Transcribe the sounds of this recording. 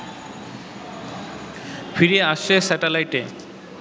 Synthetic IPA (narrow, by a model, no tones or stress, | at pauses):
fʰiɾeaʃesɛʈelajʈe